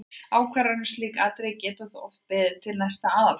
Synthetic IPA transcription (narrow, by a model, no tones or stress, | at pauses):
aːwkʰvaɾanʏst̪liːkalt̪ɾɛjcɛːt̪aθɔft̪̚pɛðt̪ʰɪlnast̪aaːða